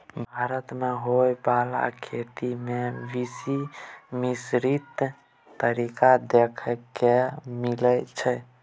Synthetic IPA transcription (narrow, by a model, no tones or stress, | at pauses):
bʱaɾət̪meɦojbala̰kʰet̪imeʋisimisɾit̪ː | əɾikad̪ekʰəkemilət͡ʃʰɛ